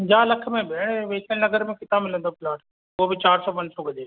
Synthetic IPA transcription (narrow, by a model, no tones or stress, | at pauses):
d͡ʑaːlɐkʰmẽbɽ̃ʋeːkʰəɽ̃nɐɡəɾmẽkɪt̪amɪlə̃nd̪opɪlaːʈ | ʊɦobɪt͡ɕaːɾsɔːpɐ̃ɲd͡ʑsoɡəd͡ʒeː